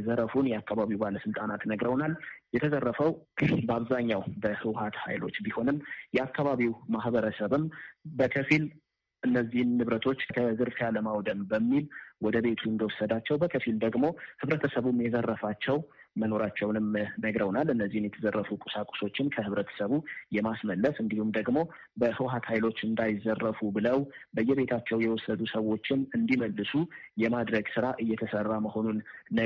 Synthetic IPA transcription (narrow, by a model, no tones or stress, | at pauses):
zəɾəfunjɛakːaβaβiwbaləsɨlt̪ʼanat̪nəɡɾəwnaljɛt̪ʰəzərːəfəwbəaβzaɲːawbəhɨwhat̪ha̰jlo̞̰t͡ʃːbiho̞nɨmjɛakʰːaβaβiwmaɦbəɾəsəβɨmbəkʰəfil | ʔɨnːəzːihɨnːɨβɾət̪ʰo̞t͡ʃːkʰəzɨɾfaləmawd̪əmbəmːilwɔd̪əβe̞t̪ʰuɨnd̪əwɔsːəd̪at͡ʃːɛwbəkʰəfild̪əɡmo̞hɨβɾət̪ʰəsəβumjɛzərːəfat͡ʃːɛw | məno̞ɾat͡ʃːɛwnɨmnəɡɾəwnalɨnːəzːihmjɛt̪ʰəzərːəfukʼu̥sakʼʊ̥so̞t͡ʃːɪnkʰəhɨβɾət̪ʰə̥səβujɛmasməlːəsɨnd̪ihumd̪əɡmo̞ | bəhɨwɦat̪hajlo̞t͡ʃːɨnd̪ajɪzːərːəfubɨləwbəjːɛβe̞t̪ʰat͡ʃːɛwjɛwɔsːəd̪usəwo̞t͡ʃːɪnɨnd̪iməlːɨsujɛmad̪ɾəɡsɨɾaʔɨjɛt̪ʰəsərːaməho̞nunː